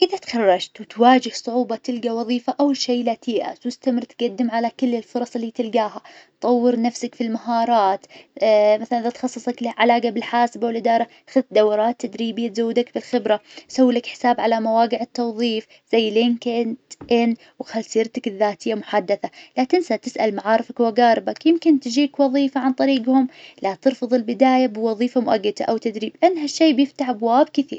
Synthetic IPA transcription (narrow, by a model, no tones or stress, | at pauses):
ʔɪðat̪xɑrˤːɑd͡ʒt̪wt̪waːd͡ʒɪhsˤʊʕuːbɑt̪ɪlɡawɑðˤiːfaʔawʃeːlat̪iːʔa̰sʊst̪amɪɾt̪ɡad̪ːɪmʕalakɪlːɪlfʊɾˤɑsˤɪlːiːt̪ɪlɡaːɦatt̪ˤɑwːɪɾnafsakfilmaɦɑːɾˤɑːt̪maθalanʔɪðat̪xɑsˤːɨsˤɑklʕalaːɡabɪlħaːsbawɪlʔɪd̪ɑːɾˤɑ | xaðt̪̚d̪awːɑɾˤɑːt̪ːad̪ɾiːbɪjːat̪zawːd̪akbɪlxɪbɾasawːiːlakħɪ̥saːbʕalamawaːqɪʕɪt̪ːɑwðˤiːf | z̥ajːleːnkɪnt̪ʔɪn | wxalsiːɾt̪akɪðːaːt̪ɪjːamʊħad̪ːaθalaːt̪ɪnsat̪ɪsʔalmaʕaːɾˤɪfakwaɡaːɾˤɪbakjɪmkɪnt̪d͡ʒiːkwɑðˤiːfaʕant̪ˤɑɾiːɡhʊmlat̪ɨɾfɨðˤɪlbɪd̪aːjabɪwɑðˤiːfamʊʔaɡːad̪a̰ʔawt̪ad̪ɾiːbʔanːɦaʃːeːbjɪft̪aħabwaːbkɪθḭːɾ